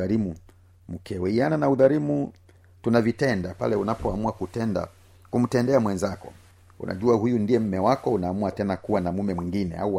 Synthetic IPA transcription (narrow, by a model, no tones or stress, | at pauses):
aɾimu | mukɛwɛiananauðaɾimu | tunavitɛndapa̰lɛunapɔamuakutɛnda̰ | kum̩tɛndɛamwɛnzakɔ̰ | ṵna̰ʄuahujundiɛm̩mɛwakɔunaːmuatɛnakuwanamumɛmwiŋɡinɛ̰a̰uwa